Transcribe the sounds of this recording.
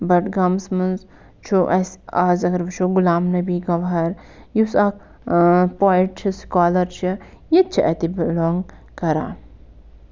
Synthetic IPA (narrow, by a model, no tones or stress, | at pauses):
bɐʈɡɐmsmɐnz | t͡ʃʰuʔɐsaːzɐɡɐɾʋɐt͡ʃʰuɡulaːmnɐbiːɡɐʋɦɐɾ | jusɐk | poːiʈt͡ʃʰiskaːlɐɾt͡ʃʰi | jɐt̪̚t͡ʃʰiʔɐt̪ibloːŋɡ | kɐɾa̰ː